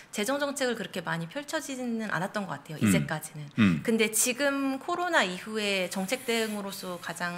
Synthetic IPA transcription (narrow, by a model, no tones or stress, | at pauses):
t͡ɕe̞d͡ʑʌŋd͡ʑʌŋt͡ɕʰe̞ɡɯɭkɯɾʌkʰe̞maɲipʰjʌɭt͡ɕʰʌd͡ʑinɯnʔa̰nat̚t͈ʌnɡʌk͈atʰe̞joʔid͡ʑe̞k͈ad͡ʑinɯnkɯnde̞t͡ɕiɡɯmkʰoɾonaiɸue̞t͡ɕʌŋt͡ɕʰe̞k̚t͈e̞ɯŋɯɾos͈ʰʌkad͡ʑaŋ